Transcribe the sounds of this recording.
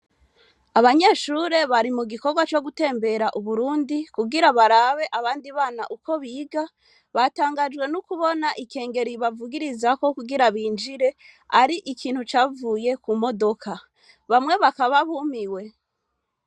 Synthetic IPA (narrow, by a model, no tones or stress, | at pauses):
aβaɲeʃuɾe̞βaɾimuɡiko̞ɾɡwat͡ʃo̞ɡute̞ːmbe̞ɾaʔuβuɾuːndikuɡiɾaβaɾaβe̞ʔaβaːndiβaːnaʔuko̞βiːɡa | βataːŋɡad͡ʒɡwe̞nukuβo̞naʔike̞ːŋɡe̞ɾiβavuɡiɾizako̞kuɡiɾaβiːnd͡ʒiɾe̞ | aɾiʔikʰiːn̥hut͡ʃaːvuːje̞kumo̞do̞kʰa | βamŋe̞βakaβaβumiwe̞